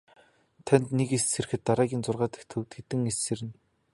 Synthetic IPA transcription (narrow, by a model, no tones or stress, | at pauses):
t̪ʰænʲt̪nekesser̆xɘ̆t̪ːaɾaːɣʲiːnt͡sʊrʁaːt̪ĕ̥kt̪ʰɵ̆wt̪ɡet̪ɘ̆ŋeseɾɘ̆n